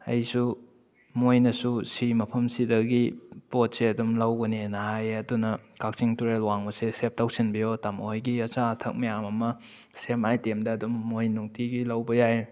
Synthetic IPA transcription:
ɐ̰jsu | mojnɐsusimɐpʰɐmsidɐɡipot̚seɐdumlɐwɡɐnenɐɦajɐdunɐkak̚t͡ʃiŋtuɾelwaŋbɐsesep̚tawsinbijotamojɡiɐt͡ʃaːtʰɐk̚mɐjamɐmɐ | semajtemdɐːdumːojnuŋtiɡilɐwbɐjaj

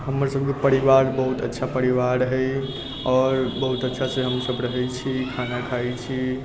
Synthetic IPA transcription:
ɦəmːəɾsəb̚ʱkepəɾiʋaɾbəɦut̪ə̰tːʃʰapəɾiʋaɾɦəj | ɔɾbəɦut̪ətːʃʰasẽɦəmsəbɾəɦɛjt͡ʃʰikʰanakʰajt͡ʃʰi

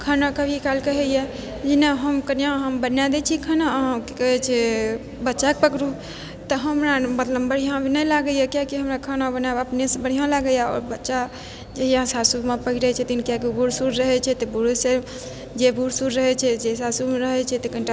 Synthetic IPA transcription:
kʰənakəbʱikalkəɦɛjɛ | d͡ʒinaɦəmkənijãɦəmbənjad̪ɛt͡ʃʰikʰənaɦãke̥kəɦɛt͡ʃʰɛ | bətːʃakpəkɾu | t̪əɦəmɾamət̪ləbbəɽ̤ijãbʱinəjlaɡəjakjakiɦəmɾakʰənabənaəpnesəbəɽ̤ijãlaɡəjaɔ̰ɾbətːʃa | d͡ʒeɦjãsasumepəɦiɾɛt͡ʃʰɛt̪inkjakibuɾsuɾɾəɦɛt͡ʃʰɛt̪ɔbuɾuse | d͡ʒebuɾsuɾɾəɦɛt͡ʃʰɛd͡ʒesasumeɾəɦɛt͡ʃʰɛt̪ekəɳʈa

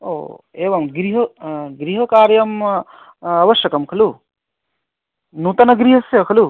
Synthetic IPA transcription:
o̰ːeːʋɐmɡɾiɦɐɡɾiɦɐkaːɾjɐm | ɐʋɐʃjɐkɐmkʰɐlu | nuːt̪ɐnɐɡɾiɦɐsjɐkʰɐlu

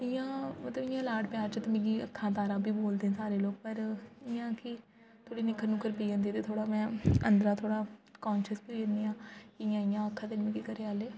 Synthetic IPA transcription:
ɪjãːmət̪ləbɪjãːlaːʈpɪjaːɾt͡ʃət̪emẽːɡiːəkʰːãːt̪̬aːɾaːbʱiːboːld̪eːɛ̃saːɾeːloːɡ̚pəɾɪjãːkɪ | t̪ʰoːɽiːnɪkːəɾnũːkəɾpiːə̃nd̪iːt̪eːt̪ʰoːɽaːmɛ̃ːə̰nd̪ɾaːt̪ʰoːɽaːkɔːnʃəspiəniːãːkɪɪjãːɪjãːəkʰːãːd̪ɪnmẽɡiːkəɾeːaːleː

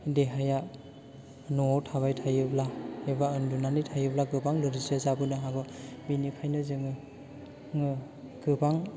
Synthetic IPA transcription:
deɦaja | nɔɔwtʰaβajtʰajɯblaebaɯndunanitʰajɯblaɡɯbaŋlɯɾizɯzabɯnɯɦaɡɯbinikʰajnɯzɯŋɯ | ŋɯ | ɡ̥ɯbaŋ

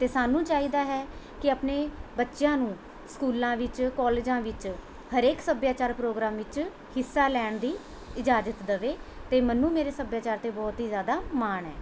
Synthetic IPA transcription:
t̪eːsaːnũːt͡ʃaːiːd̪aːɦɛː | kɪəpneːbətːʃjãːnũː | skuːlãːʋɪt͡ʃkɔːleːd͡ʒãːʋɪt͡ʃ | həɾeːksəbjaːt͡ʃaːɾpɾoːɡɾãːmʋɪt͡ʃ | hɪsːaːlɛːɳd̪iː | ɪd͡ʒaːd͡ʒət̪d̪əʋeːt̪eːmənːũːmeːɾeːsəbjaːt͡ʃaːɾt̪eːbɔːt̪ɦiːzjaːd̪aːmaːɳɛː

